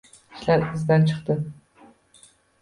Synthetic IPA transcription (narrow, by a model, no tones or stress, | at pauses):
i̥ʃlæɾɪzd̪ænt͡ʃʰɨ̥χt̪ɨ